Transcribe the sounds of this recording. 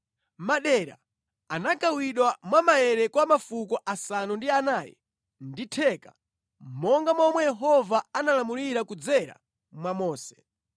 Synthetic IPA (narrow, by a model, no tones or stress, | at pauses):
maɗɛɾa̰ | anakawiɗwamwamajɛɾɛkwamafukɔʔasanɔndianaːjɛ̰ | nditʰɛːkḁ | mɔŋɡamwɔmwɛjɛɦɔvaanalamuliɾakud͡zɛɾa̰ | mwamɔːsɛ̥